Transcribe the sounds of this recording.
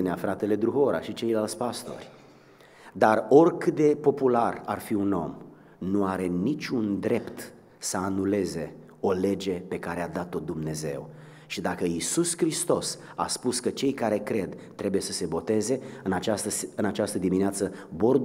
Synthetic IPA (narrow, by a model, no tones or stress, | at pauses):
eneafɾat̪e̞le̞d̪ɾuɦo̞ɾa̰ʃit͡ʃe̞jlalt̪sʲpast̪o̞̰rʲ | d̪aro̞rkɨt̪d̪e̞po̞pulararfiuno̞m | nuaɾe̞nit͡ʃʲund̪ɾe̞pt̪ | səanule̞ze̞ | o̞le̞d͡ʒe̞pe̞kaɾead̪at̪o̞d̪umne̞ze̞̰w | ʃid̪akəisuskɾist̪o̞s | a̰spuskət͡ʃe̞jkaɾe̞kɾe̞d̪t̪ːɾe̞buje̞səse̞bo̞t̪e̞ze̞ɨnat͡ʃast̪əɨnat͡ʃast̪əd̪imineat̪səbord̪